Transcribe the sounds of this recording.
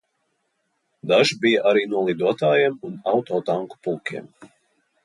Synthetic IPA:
d̪aʒbijaʔaɾiːnuɔlˠid̪uɔt̪aːjɛmunawt̪ɔːt̪aŋku̥pulˠkʲiɛ̰m

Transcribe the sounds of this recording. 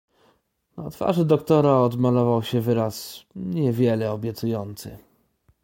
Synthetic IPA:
nat̪fa̰ʐɘd̪ɔkt̪ɔɾaɔd̪malɔvawɕɛvɘɾasɲɛvʲjɛlɛɔbʲjɛt̪sujɔnt̪sɘ̰

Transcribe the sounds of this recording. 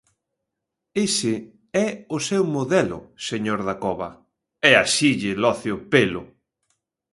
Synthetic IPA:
esɪ | ɛʊsɛwmoðɛlʊ̰seɲoɾðakɔβɐ | ɛaʃiʎɪlɔθjopelʊ̰

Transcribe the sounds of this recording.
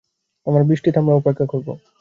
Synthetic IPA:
t̪omaɾbɾiʃʈit̪amɾaupekʰːakoɾbo̰

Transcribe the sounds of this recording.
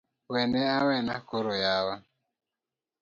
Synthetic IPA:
wɛnɛawɛnakoɾojawa

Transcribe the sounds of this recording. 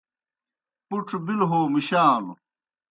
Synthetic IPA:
puʈ͡ʂʰbilɦoːmiɕaːl

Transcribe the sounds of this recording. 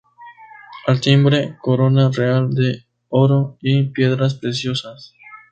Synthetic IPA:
alt̪imbɾe̞ko̞ɾo̞nareald̪e | o̞ɾoipje̞ðɾas̬pɾesjo̞sas

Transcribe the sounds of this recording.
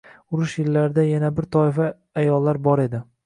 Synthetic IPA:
ʊɾʊʃjɪlːaɾɪd̪ajanabɪɾt̪ʰɒɪfaː | jɒlːaɾbɒɾe̞d̪ɪ

